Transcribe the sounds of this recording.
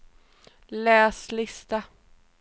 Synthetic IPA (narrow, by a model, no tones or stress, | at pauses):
lɛːslɪst̪a